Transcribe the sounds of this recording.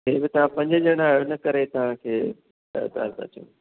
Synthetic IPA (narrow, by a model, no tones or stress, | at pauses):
ɦeːbɪt̪ɐʋ̤ãpɐ̃ɲd͡ʑəd͡ʑeɽ̃aːɦonɐkɐɾet̪ɐʋ̤ãkʰḛː | d̪a̰ːɾza̰t͡ɕõ̰ː